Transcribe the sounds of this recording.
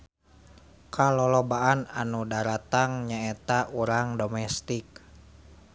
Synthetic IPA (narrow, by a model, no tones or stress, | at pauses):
kalɔlɔbaʔananudaɾat̪aŋɲaɛt̪aʔuɾaŋdomɛst̪ik̚